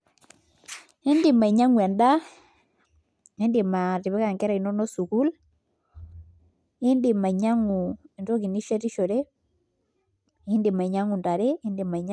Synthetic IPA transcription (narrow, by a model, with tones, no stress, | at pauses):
hi˦ndɪ˨ma˨i˨ɲa˦ŋwɛ˨nda˦ | i˦ndɪ˨ma˨ti˨βɛ˦ka˨ŋkɛ˦ɾɛ˨i˨nɔ˦nɔ˦su˨ku˦l | ɪ˦ndɪ˨ma˨ɲa˦ŋu˨e˨ndo˦ki˨ni˦ʃe˦ɾi˦ʃo˨ɾe˦ | ɪ˦ndi˨ma˨i˨ɲa˦ŋu˨nda˨ɾe˦ɪ˦ndi˨ma˨ɲ